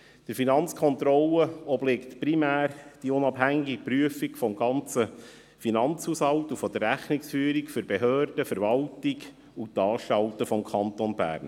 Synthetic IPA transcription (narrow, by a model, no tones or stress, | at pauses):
d̥əɾfinɑnt͡skʰɔnt̪ɾɔləɔblɪkt̪primæːrd̥iʊnɑpɦæŋɪɡɪɡ̚pryəfikfɔmɡɑnt͡sə | finɑnt͡shushɑltufɔd̥̪ərɾæχnɪksfyːɾikføɾbeɦøːrd̥əfəɾvɑltɪk | utɑːʃtɑltəfɔmkʰɑnt̪onbæ̰ːɾn